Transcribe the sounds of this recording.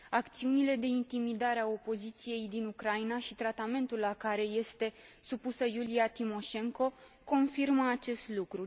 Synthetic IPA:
akt̪siunile̞d̪e̞int̪imid̪aɾeao̞po̞zit̪sije̞jd̪inukɾainaʃit̪ɾat̪ame̞nt̪ulːakaɾe̞je̞st̪e̞supusəjuliat̪imo̞ʃe̞ŋko̞ | ko̞nfirməat͡ʃe̞st̪lukɾu

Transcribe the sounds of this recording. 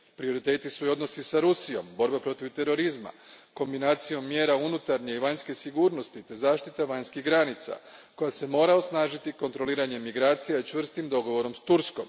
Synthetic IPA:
pɾio̞ɾit̪e̞ːt̪isuio̞d̪no̞sisaɾusijo̞̰mbo̞ɾbapɾo̞t̪iʋt̪e̞ɾo̞ɾizma̰ko̞mbinaːt̪sijo̞mːje̞ːɾaunut̪aɾɲeiʋaɲske̞siɡuːɾno̞st̪it̪e̞zaːʃt̪it̪aʋaɲskiɣɡɾanit̪sa̰kojase̞mo̞ːɾaosnaːʒit̪iko̞nt̪ɾo̞liːɾaɲe̞mːiɡɾaːt̪sijait͡ʃʋr̩st̪imd̪o̞ɡo̞ʋo̞ɾo̞mst̪uɾsko̞m

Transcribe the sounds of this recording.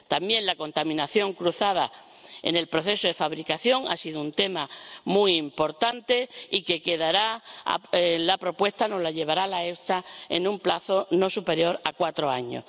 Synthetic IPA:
t̪ambje̞nlako̞nt̪amĩnaθjo̞ŋkɾuθað̞a | ḛne̞lpɾo̞θe̞soðe̞faβɾikaθjo̞ŋa̰siðount̪e̞mamujimpo̞ɾt̪ant̪e̞ike̞ke̞ðaɾa̰ | lapɾo̞pwe̞st̪ano̞zlaʎe̞βaɾalaesaḛnũmplaθo̞no̞supe̞ɾjo̞ɾakwat̪ɾo̞aɲo̰

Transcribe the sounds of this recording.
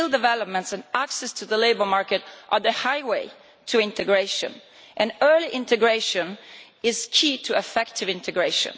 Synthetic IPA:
ldɨvɛlɔp̚mɛ̃ntsɛ̃naksɛstʰuðəleɪbə˞mɑɹkɨtʔəðəhajweɪ | tʰuɪ̃nt̪ɨɡɹeʃə̰̃n | ʔɛ̃nɜːliʔɪ̃nt̪ɨɡɹeɪʃə̃n | ɪzkʰitʰuɛfɛktʰɪvɪ̃ntɨɡɹeɪʃə̰̃n

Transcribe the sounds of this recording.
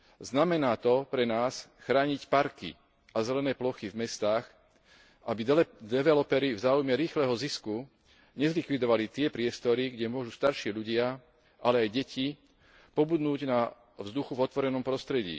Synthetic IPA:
znamɛnaːt̪ɔpɾɛnaːsxɾaːɲicpaɾkḭ | ʔazɛlɛnɛːplɔxivmɛst̪aːx | ʔabid̪ɛʋɛlɔpɛɾivzaːujmɛɾiːxlɛːɦɔzisku | ɲɛzlikʋid̪ɔʋalit̪ɪɛpɾɪɛst̪ɔɾiɡɟɛmʊɔʒust̪aɾʃɪiːʎuɟɪa | ʔalɛajɟɛcʰi | pɔbud̪nuːɟna | vzd̪uxuvɔt̪ʋɔɾɛnɔmpɾɔst̪ɾɛɟḭː

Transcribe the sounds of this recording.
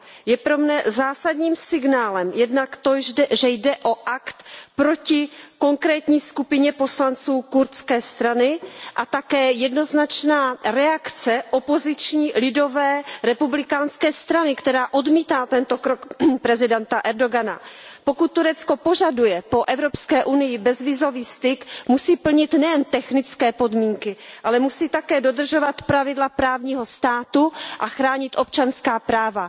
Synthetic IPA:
jɛpɾo̞mnɛzaːsadɲiːmsɪɡnaːlɛmjɛdnakt̪oʒdɛʒɛjdɛʔo̞ʔakt̪pɾo̞cɪko̞ŋkɾɛːt̪ɲiːskupɪɲɛpo̞slant͡suːkuɾt̪t͡skɛːst̪ɾanɪʔat̪akɛːjɛdno̞znat͡ʃnaːɾɛakt͡sɛʔopo̞zɪt͡ʃɲiːlɪdo̞vɛːɾɛpublɪkaːnskɛːst̪ɾanɪkt̪ɛɾaːʔo̞dmiːt̪aːt̪ɛnt̪o̞kɾokpɾɛzɪdɛnt̪aʔɛɾdo̞ɡana̰pokut̪ːuɾɛt͡sko̞po̞ʒadujɛpo̞ʔɛvɾo̞pskɛːʔunɪjɪbɛzvɪzo̞viːst̪ɪkmusiːpl̩ɲɪt̪nɛjɛnt̪ɛxnɪt͡skɛːpo̞dmiːŋkɪʔalɛmusiːt̪akɛːdo̞d̪r̩ʒo̞vat̪pɾavɪdlapɾaːvɲiːɦo̞st̪aːt̪uʔaxɾaːɲɪt̪ʔo̞p̚t͡ʃanskaːpɾaːva

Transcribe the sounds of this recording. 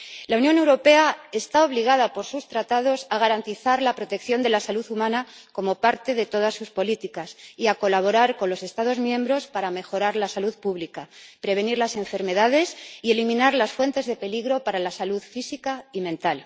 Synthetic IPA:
launjõ̞ne̞wɾo̞pe̞ae̞st̪ao̞βliɣ̞aðapo̞ɾsust̪ɾat̪að̞o̞saɣ̞aɾant̪iθaɾlapɾo̞t̪e̞kθjo̞nd̪e̞lasaluðumãnako̞mo̞paɾt̪e̞ðe̞t̪o̞ðasːuspo̞lit̪ikasiako̞laβo̞ɾaɾko̞nlo̞se̞st̪að̞o̞zmjẽ̞mbɾo̞spaɾame̞xo̞ɾaɾlasaluðpuβlikapɾe̞β̞e̞niɾlase̞ɱfe̞ɾme̞ðaðe̞sie̞limĩnaɾlasfwe̞nt̪e̞zðe̞pe̞liɣɾo̞paɾalasaluðfisikaimẽ̞nt̪al

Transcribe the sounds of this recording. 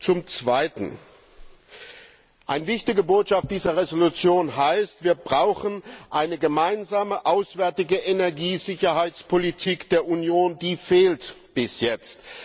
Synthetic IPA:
t͡sʊmt͡sv̥aɪtn̩ | ʔa̰ɪnəvɪçtɪɡəboːtʃaft̚d̥iːzɐʁezolut͡sjoːnɦaɪstv̥iːɐbʁaʊxən̩ʔaɪnəɡəmaɪnzaːməʔaʊsv̥ɛɐtɪɡəʔenɛɐɡiːzɪçɐhaɪt͡spʰolitʰiːkd̥eːɐʔunjoːndiːfeːlt | b̥ɪsjɛt͡st

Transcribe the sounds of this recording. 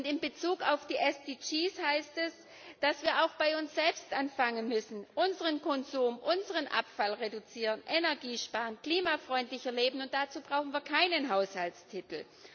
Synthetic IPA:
ʔʊntɪmbət͡suːkaʊfd̥iːʔɛsd̥it͡ʃiːshaɪstɛs | d̥asv̥iːɐaʊxb̥aɪʊnsz̥ɛlpstʔanfaŋənmʏsn̩ʔʊnzəʁənkʰɔnzuːmʔʊnzəʁənʔa̰pfalʁedut͡siːʁənʔenɛɐɡiːʃpaːʁənkl̥iːmafʁ̥ɔʏntlɪçɛɐleːbn̩ʊnt̚d̥at͡suːbʁaʊxn̩viːɐkʰaɪnənɦaʊshaltstʰɪtl̩

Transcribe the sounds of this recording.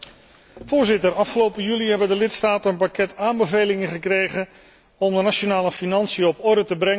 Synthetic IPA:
v̥ʊːɹzɪtəɾɑfχəlowpəjyliɦɛbəndəlɪtstaːtəənpakɛtaːmbəvejlɪŋəχəkrejχən | ɔmdənaʃonaːləfinɑnsijəɔpɔɹdətəbrɛŋə

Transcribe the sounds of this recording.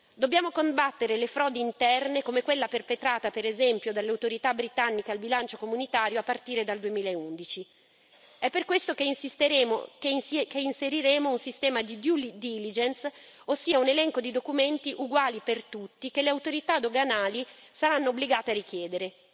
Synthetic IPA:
d̪objaːmokombat̪ːeɾelefɾɔːd̪iint̪ɛrnekomekwelːaperpet̪ɾaːt̪apeɾezɛmpjod̪alːeawt̪oɾit̪abːɾit̪anːikealbilant͡ʃokomunit̪aːɾjoapːart̪iːɾed̪ald̪uemiːlaeund̪it͡ʃi | ɛpːerkwest̪okesst̪e | keinseɾiɾeːmounsist̪ɛːmad̪id̪ulid̪ilid͡ʒens | osːiːaunelɛŋkod̪id̪okument̪iʔuɡwaːlipert̪ut̪ːikeleawt̪oɾit̪ad̪oɡanaːlisaɾanːoːbːliɡaːt̪earik̟jɛːd̪eɾe

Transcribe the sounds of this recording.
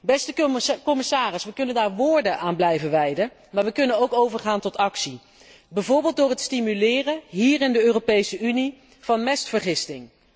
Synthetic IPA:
bɛstəkɔmɪsaːrɪsʋəkɵnəndaːɹʋʊːɹdənʔaːnblɛjvənʋɛjdən | maːɹʋəkɵnənowkowvəɹχaːntɔtɑksi | bɛjvʊːɹbɪːlˠtdʊːɹɦətstimylɪːrənɦiːrɪndəøːropejsəʔyni | v̥ɑnmɛstfəɹχɪstɪŋ

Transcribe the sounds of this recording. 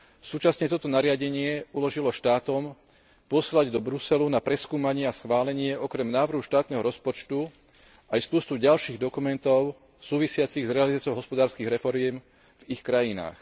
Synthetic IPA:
suːt͡ʃasɲɛt̪ɔt̪ɔnaɾɪaɟɛɲɪɛulɔʒilɔʃt̪aːt̪ɔm | pɔslaɟd̪ɔbɾusɛlunapɾɛskuːmaɲɪɛasxʋaːlɛɲɪɛʔɔkɾɛmnaːʋr̩ɦuʃt̪aːt̪nɛɦɔɾɔspɔt͡ʃt̪u | ajspʊɔst̪uɟalʃiːɣd̪ɔkumɛnt̪ɔʊ | suːʋisɪat͡siɣzɾɛalizat͡sɔʊɦɔspɔd̪aːɾskiːɣɾɛfɔɾɪɛm | vixkɾajina̰ːx

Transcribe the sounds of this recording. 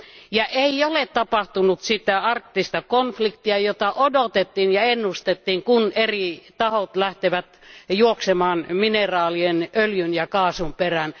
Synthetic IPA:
jɑʔeiolett̪ɑpɑht̪unut̪sit̪æɑrkt̪ːist̪ɑkonflikt̪iɑjot̪ɑʔodot̪et̪ːinjɑenːust̪et̪ːiːŋkunerit̪ɑhot̪læht̪eʋæt̪juoksemɑːnminerɑːlienøljynjɑkɑːsumperæn

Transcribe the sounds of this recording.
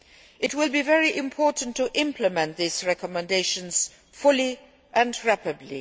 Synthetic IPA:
ɨt̚wɪlˠbivɛɹiʔɪ̃mpʰɔɹʔn̩tʰːəʔɪ̃mpʰləmɛ̃nðizɹɛkəmə̃ndeɪʃə̃nz̥ | fʊli | ʔɨ̃nɹæpɨdˡlḭ

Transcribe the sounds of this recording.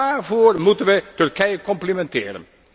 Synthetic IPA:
aːrvoːrmutənʋətɵrkɛjəkɔmplimɛntɪːɾə̰n

